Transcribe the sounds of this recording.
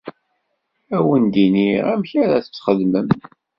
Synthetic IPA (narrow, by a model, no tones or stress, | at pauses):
æwənd̪iniʁæmçaɾæət͡sːχəðməm